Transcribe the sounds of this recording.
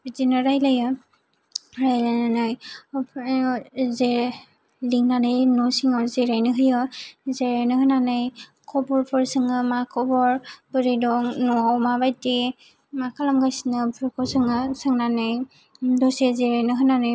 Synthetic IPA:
zinɯɾajlajɯ | ɾajlajnanɯjpʰ | ze | liŋnanɯjnɔsiŋɔzeɾajnɯɦɯjɯzeɾajnɯɦɯnanɯj | kʰɔbɔɾpʰɯɾsɯŋɯmakʰɔbɔɾbɯɾidɔŋnuawmabajte | makʰalamɡajsinɯpʰɯɾkʰɔsɯŋɯsɯŋnanɯj | dɔsezeɾajnɯɦɯnanɯj

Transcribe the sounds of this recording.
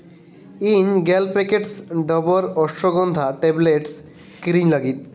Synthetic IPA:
iɲɡɛlpekeʈsɖɔbɔɾɔsʈɾɔɡɔnd̪ʱaʈebleʈs | kɾiɲləɡit̪

